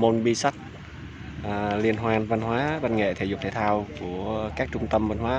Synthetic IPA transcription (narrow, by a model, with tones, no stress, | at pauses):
mo˧˩nɓi˧sa˦˥k̚ | ʔli˧ənɦwaː˧nva˧nɦwaː˨˦va˧nŋḛ˧˨t̪ʰe˨˧˩zu˨˩t̪ʰe˧˩t̪ʰaː˧wku˧˩əkaː˦˥k̚t͡ɕʊ˧ŋ͡mt̪ə˧mvə˧nhwaː˨˦